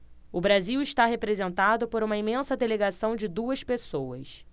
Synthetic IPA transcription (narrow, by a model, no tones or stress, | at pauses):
ʊbɾaziwɪʃt̪aɦepɾezẽnt̪ad̪ʊpoɾũmɐimẽsɐd̪eleɡasɐ̃w̃d͡ʒɪd̪uɐspesowɐs